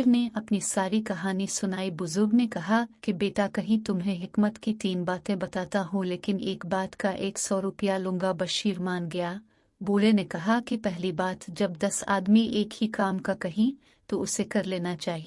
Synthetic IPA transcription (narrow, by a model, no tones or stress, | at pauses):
ɾneɐpnisaːɾikɐɦaːnisʊnaːibʊzʊɾɡnekɐɦakibeːʈakɐɦĩt̪ʊmɦẽɦɪkmət̪kit̪iːnbaːt̪ẽbɐt̪aːt̪aɦõleːkɪneːkbaːt̪kaʔeːksɔːɾʊpəjalʊ̃ŋɡabɐʃiːɾmaːnɡɐjaː | boːlenekɐɦakipɛɦlibaːt̪d͡ʒɐbd̪ɐsa̰ːd̪miʔeːkhikaːmkakɐɦĩ | t̪oʊsekɐɾleːnat͡ʃaːɦieː